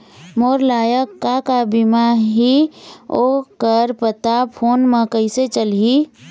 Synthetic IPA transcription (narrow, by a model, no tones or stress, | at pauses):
moːɾlaːjəkːakabimaɦiokəɾpət̪apʰoːnmẽkəɪset͡ʃəlɦi